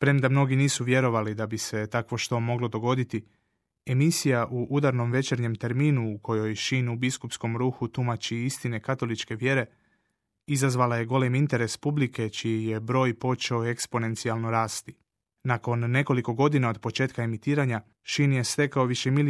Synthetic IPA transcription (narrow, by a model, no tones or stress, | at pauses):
pɾe̞md̪amno̞ɡiniːsuʋje̞ɾo̞ʋalid̪abise̞t̪akʋo̞ʃt̪o̞mo̞ɡlo̞d̪o̞ɡo̞d̪it̪i | emisijaʔuʔud̪aɾno̞mʋet͡ʃe̞ɾɲe̞mt̪e̞ɾmiːnuːkʰo̞jo̞jʃinubiskupsko̞mɾuːxut̪umat͡ʃiist̪ine̞kat̪o̞lit͡ʃke̞ʋje̞ɾe̞ | izazʋalaje̞ɡo̞le̞mint̪e̞ɾe̞spublike̞t͡ʃijije̞bɾo̞ːjpo̞t͡ʃe̞o̞e̞kspo̞ne̞nt̪sialno̞ɾaːst̪i̥ | nako̞nːe̞ko̞liko̞ɡo̞d̪inao̞d̪po̞t͡ʃe̞ːt̪̚kae̞mit̪iːɾaɲa | ʃinje̞st̪e̞kao̞ʋiʃemil